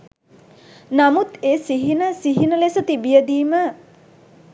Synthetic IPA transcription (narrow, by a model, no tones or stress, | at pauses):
namut̪eːsiɦinəsiɦinəlesət̪ibijəd̪iːmə